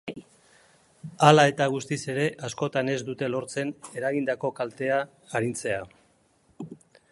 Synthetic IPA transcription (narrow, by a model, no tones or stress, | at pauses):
alae̞t̪aɣ̞ust̪ise̞ɾe̞ʔasko̞t̪ane̞zd̪ut̪e̞lo̞ɾt͡se̞ne̞ɾaɣind̪ako̞kalt̪e̞aː | ɾint͡se̞a